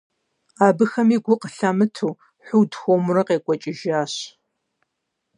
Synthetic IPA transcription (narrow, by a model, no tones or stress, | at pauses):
aːbɨxɐmiːɡʷʊqəɬamɨtʰuː | ħʷʊdxʷomʊrɨqeːkʷʼɔt͡ʃʼɪʒaːɕ